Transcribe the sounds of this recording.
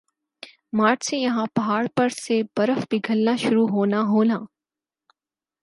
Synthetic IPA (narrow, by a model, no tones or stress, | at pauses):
maːʈsejɐɦãpɐɦaːɽpɐɾsebɐɾəfbʱɪɡʱəlnaʃʊɾuɦoːnaɦoːnaː